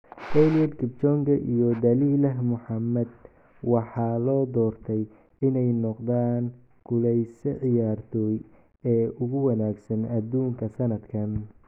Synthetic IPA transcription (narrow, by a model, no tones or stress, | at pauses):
hɛlijɐd̪kʰɪbt͡ʃɔŋɡɐʔḭjɔd̪ɐliːlɐɦmʊħɑmɐd̪ | wɑħɑːlɔːd̪ɔːrt̪ʰɛj | ɪnɛjnɔqd̪aːŋ | kʰʊlɛjsɛʕɪjaːrt̪ʰɔːj | ɛːʔʊɣʊwɐnaːɡsɐnɐd̪uːŋkʰɐsɐnɐd̪kʰɐn